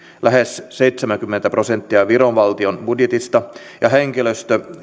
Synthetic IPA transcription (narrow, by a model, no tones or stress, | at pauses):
læɦesse̞jt̪semæŋkymːent̪æpro̞se̞nt̪ːiɑʋiɾo̞nʋɑlt̪io̞nb̥udjet̪ist̪ɑ | jɑɦeŋkiløst̪ø